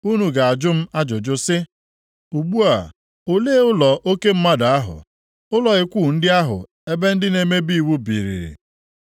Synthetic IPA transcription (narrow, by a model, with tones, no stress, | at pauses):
u˦nu˨ɡa˨a˨d͡ʒʊ˦m̩˦a˦d͡ʒʊ˨d͡ʒʊ˦sɪ˦ | u˨ɡ͡bu˦a˨ | o˨le˦ʊ˦lɔ˨ʔo˦ke˦m̩˦ma˦da˨a˦ɦʊ̰˨ | ʊ˦lɔ˨ɪ˦kʷuː˦˨n̩˦dɪ˦a˦ɦʊ̰˨ | e˦be˦n̩˦dɪ˦ne˦me˦bi˦i˨wu˦bḭ˨ɾḭ˨ɾḭ˨